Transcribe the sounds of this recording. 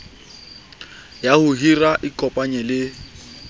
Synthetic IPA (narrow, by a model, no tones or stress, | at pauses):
jahʊɦiraʔikʼɔpʼaɲɛlɪ